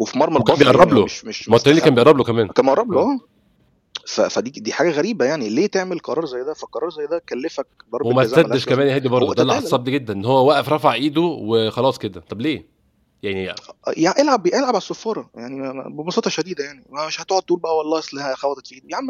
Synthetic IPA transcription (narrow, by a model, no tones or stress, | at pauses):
wefimɑɾˤmɑlkæmbejeʔɑrˤːɑbloeʃmeʃmɑt̪ːæiːlːikænbeʔɑɾˤːɑblokæmæːnkænbeʔɑɾˤːɑbloʔæː | fæ̰fæd̪id̪iːħaːɡæɣæɾiːbæjaʕnileːt̪eʕmelqɑɾˤɑːɾˤzæjːed̪æfælqɑɾˤɑːɾˤzæjːed̪ækælːefæk̚bɑɾˤdwemæædːeʃkæmæːnjhæːd̪ibɑɾˤd̪od̪ælːt̪sˤɑb̚d̪iɡed̪ːænʔenːhowːæwæʔæfɾˤɑfaʕʔiːd̪uwexɑlɑːsˤked̪æt̪ˤɑbleː | jaʕnijaʔelʕabːjeʔelʕabʕalsːofːɑːɾˤɑjaʕnibebɑsˤɑːt̪ˤɑʃæd̪iːd̪æjaʕnimmeʃhæt̪oʕod̪̚t̪uːlbæʔæwɑlˤːɑːʔesˤlæhæxæwæt̪et̪fiʔiːd̪jʕmː